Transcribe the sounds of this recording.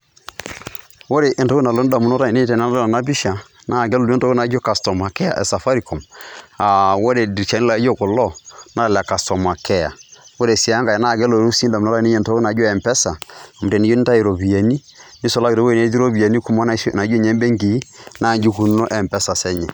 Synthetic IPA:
wo˦ɾe˨ʔe˨ntɔ˦ku˦na˨lo˦da˨mu˨nɔ˦ɾa˦˨i˨ne˦˨tɛ˨na˦a˦a˨na˦bi˦ʃa˨ | na˦˨ɡɛ˦lo˨˦o˦tɔ˦ko˦na˨˦d͡ʒo˦ka˨stɔ˨ma˨kɛ˦ja̰˨ʔɛ̰˨sa˨fa˦ɾi˨kɔ˨ma˨wo˦ɾɛ˨dt͡ʃa˨ni˦la˨˦d͡ʒo˦kɔ˨lɔ˦na˦˨la˨ka˨stɔ˨ma˨kɛ˦a̰˨wo˦ɾe˨si˨˦a˦ŋɡa˨ɛ˨na˦˨ɡɛ˦lo˨ɾu˦si˦n˦da˨m˨ɔ˦ɾa˦˨ni˦ɛ˨n˨tɔ˦u˦na˨˦d͡ʒɔ˦ɛ˨mpɛ˦sa˨a˨mu˨tɛ˨ni˦d͡ʒo˦ni˦ta˦i˨ɾo˨bi˨a˨ni˦ | nɪ˦sɔ˦la˦ɡi˨ɾo˦wo˦˨ne˨˦d͡ʒi˦ɾo˦bi˨a˨ni˦ku˦mɔ˦na˦sna˨˦d͡ʒo˦ɲɛ˦mbɛ˦ŋɡi˨i˦na˦˨ɲd͡ʒu˦ku˨nnɔ˦ʔɛ˨mpɛ˦sa˨sɛ˦ɲɛ˨

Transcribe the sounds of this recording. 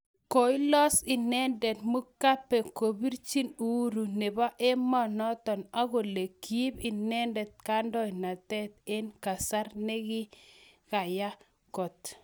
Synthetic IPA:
ko˨i˦lɔ˦sɪ˨nɛ˦ndɛ˨t̪mo˦ka˦pːe˨ko˨bi˦ɾt͡ʃi˦nu˦ɾu˨ne˨ba˦ʔe˦mɔ˦nɔ˦t̪ɔ˨na˦ɡo˨le˨ki˦pɪ˨nɛ˦ndɛ˨t̪̚ka˦ndɔ˦ɪ˨na˨t̪ɛ˦t̪̚e˦nka˨sa˦ɾnɛ˦ɡɪ˦ka˨ja˦ | kɔ˨t̪

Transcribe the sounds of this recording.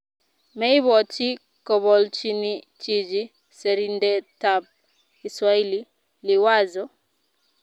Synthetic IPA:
mɛ˦i˦βɔ˨t͡ʃi˦ | kɔ˨βɔ˨lt͡ʃi˦ni˦ | t͡ʃi˨d͡ʒi˦ | sɛ˨ɾi˦ndɛ˦ta˨p̚ | i˨swa˦i˦li˦ | lɪ˨wa˦zɔ˦

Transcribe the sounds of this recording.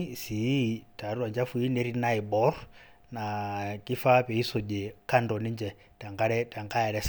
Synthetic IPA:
si˨˦ta˨ɾu˦wa˨nd͡ʒa˦fu˨˦i˦ne˦ɾi˦na˦i˨bɔ˦r | na˨ki˦fa˦pɛ˨i˦sɔ˨d͡ʒɛ˨ka˦ndɔ˨ni˦ɲd͡ʒɛ˨ | ta˨ŋɡa˦ɾɛ˦ta˨ŋɡa˦ja˨ɾɛ˦s

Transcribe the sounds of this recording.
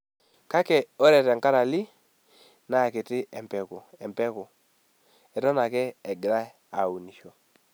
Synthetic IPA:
ka˦kɛ˨o˦ɾɛ˨tɛ˨ŋka˦ɾa˨lɪ˦ | na˨kɪ˨tɪ˦ɛ˨mpɛ˨kɔ˨ɛ˨mpɛ˦kɔ˨ | ɛ˨tɔ˦na˨kɛː˦˨ɡɪ˨ɾa˦ | a˨u˨ni˨ʃo˨

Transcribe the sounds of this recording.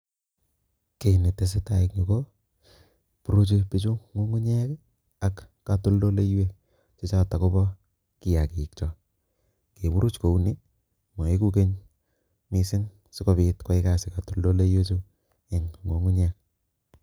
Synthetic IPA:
ke˨ni˨tːe˨s̬ɪ˦ta˨ɪ˨kŋi˨ko˦ | pu˨ɾu˦t͡ʃi˧pi˨t͡ʃu˦ŋo˦ŋu˦ɲɛ˦k | a˨kː | a˨to˦ldo˦le˦je˦k | t͡ʃɔ˦t͡ʃa˦˨ta˨ko˦bɔ˦ | ki˨ja˨ki˨k̚t͡ʃɔ˨ | ke˨bu˦ɾu˦t͡ʃko˨u˦ni˦ | mɔ˨e˦ku˦ke˦ɲ | mi˨sɪ˦n | si˦ko˦bi˨tkwa˦ɪ˦ka˦sɪ˨ka˨tu˨ldo˦le˦jwe˦t͡ʃu˦ | ɪ˨ŋŋo˨ŋu˦ɲe˦k̚

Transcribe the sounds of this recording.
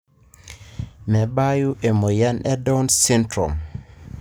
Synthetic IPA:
mɛ˨ba˦ju˦ʔe˨mo˨ja˦nɛ˦do˦nsi˦ntɾɔ̰˨m

